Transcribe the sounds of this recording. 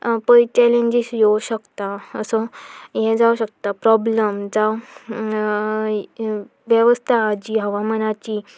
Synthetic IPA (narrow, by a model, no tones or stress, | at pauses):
pəjt͡ɕɛlẽɲd͡ʑisjewɕəkt̪aəsɔjɛd͡zawɕək̚t̪apɾɔbləmd͡za | ʋjəʋəst̪ʰaːd͡ʑiɦəʋamənat͡ɕiː